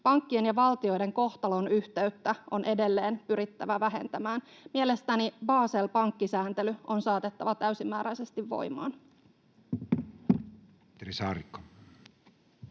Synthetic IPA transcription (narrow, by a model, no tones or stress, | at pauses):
pɑŋkːie̞njɑʋɑlt̪io̞jde̞ŋko̞xt̪ɑlo̞nyht̪e̞yt̪ːæʔo̞nʔe̞de̞lːe̞ːnpyɾit̪ːæʋæʋæɦe̞̰nt̪æmæːnmiele̞st̪ænibɑːse̞lpɑŋkːisæːnt̪elyʔo̞nsɑːt̪e̞t̪ːɑʋɑt̪æysimːæːɾæjse̞st̪iʋːo̞̰jmɑ̰ːn | t̪eɾisɑrikːo̥